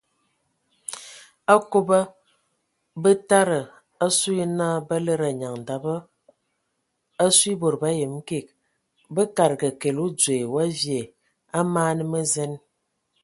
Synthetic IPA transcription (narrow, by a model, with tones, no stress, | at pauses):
a˦ko˦bə˦ | bə˦ta˦ɾə˨ | a˦su˦i˦na˦bə˦lə˦ɾa˨ɲa˨ŋ̩˨da˨bə˦ | a˦swi˦bo˨ɾba˦je˨m˦ke˨k̚ | bə˦ka˨ɾɡə˨ke˨lu˦d͡zwe˨wa˦vje˨ | a˦maː˦nə˦mə˦zɛ˦n